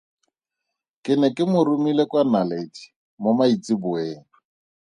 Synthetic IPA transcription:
kʼɪnɛkʼɪmʊrumilekwanalet͡ʃi̥ | mʊmait͡sʼibʊeːŋ̩

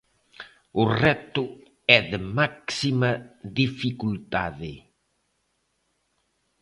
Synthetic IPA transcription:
ʊrɛt̪ʊ | ɛðəmaksimɐðifikult̪a̰ðɪ

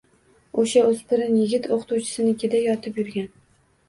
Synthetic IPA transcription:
oʃaɵz̥pʰɪɾɪnjɪɡʲɪt̪ʰoqʰt̪uwt͡ʃʰɪ̥sɪnɪkʲʰed̪ajɒt̪ʰɪpjʊɾɡʲan

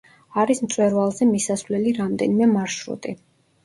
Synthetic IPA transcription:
aɾismt̪sʼwɛɾvalˠzɛmisasvlɛliɾamd̪ɛnimɛmaɾʃɾṵt̪ʼi

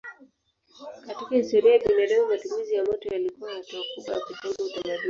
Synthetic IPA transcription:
katikahistɔɾiajaɓinaɗɛvumatumizijamɔtɔjalikuwahatuakuɓwa̰jakufɔzautamaɗui

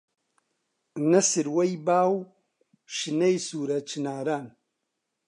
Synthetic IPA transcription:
nɐsiɾwajbawu | ʃinajsuɾat͡ʃinaɾan

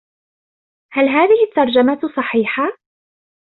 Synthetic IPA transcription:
halɦaːðɪhɪt̪ːɑɾˤd͡ʒamasˤɑħiːħa

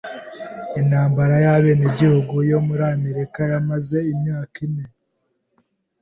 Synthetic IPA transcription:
inhaːmbaɾajaβe̞ːneɟihuɡujo̞muɾaːmeɾikajamaze̞imɲaːkine

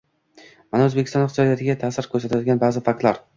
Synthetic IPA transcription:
manaɵzbekʲʰɪst̪ɒnɪχt̪jɒd̪ijat̪ʰɪɡʲat̪ʰaːsɪɾkʰʲɵɾsat̪ʰad̪ɪɡʲanbaːzɪfak̚t̪laɾ

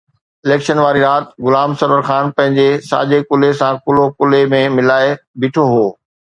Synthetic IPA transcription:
ɪleːkʃənʋaːɾiɾaːt̪ɡʊlaːmsɐɾʋəɾxaːnpɐ̃ɦɪ̃ɲd͡ʑesa̰ːd͡ʑekʊlesãkʊlokʊlemẽmɪlaːebɪːʈʰoɦoː

